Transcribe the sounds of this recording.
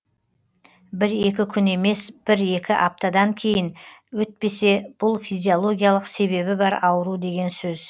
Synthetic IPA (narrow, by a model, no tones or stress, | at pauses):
bɪɾe̞kʲɪkʲʰʏne̞me̞sb̥ɪɾe̞kʲɪʔɑp̚t̪ad̪ɑŋkʲʰe̞jɪnwɵt̪̚pe̞se̞b̥ʊlˠfijzʲio̞lˠo̞ɡʲijalˠəqse̞βe̞βɪbɑɾɑwəɾud̪e̞ɡʲe̞nsɵz